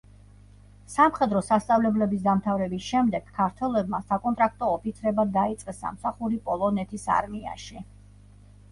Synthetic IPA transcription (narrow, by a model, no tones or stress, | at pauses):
samχɛd̪ɾɔsast̪sʼavlɛblɛbisd̪amt̪ʰavɾɛbisʃɛmd̪ɛɡ̥kʰːaɾt̪ʰwɛlɛbmasakʼɔnt̪ʼɾak̚ʰt̪ʼɔːpit̪sʰɾɛbad̪ait̪sʼqʼɛsa̰msaχuɾipʼɔlˠɔnɛt̪ʰisa̰ɾmia̰ʃi